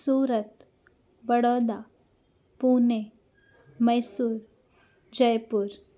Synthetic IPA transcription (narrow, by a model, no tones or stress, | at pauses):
suːɾət̪̚ | bəɽɔːd̪a | puːne | məjsuːɾ | d͡ʑəjpuːɾ